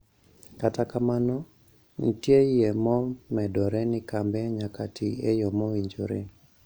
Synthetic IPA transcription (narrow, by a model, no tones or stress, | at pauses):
katakamanɔ | nitjejemɔmɛdɔɾɛnɪkambɛɲakatʰiejɔmowiɲd͡ʒo̰ɾḛ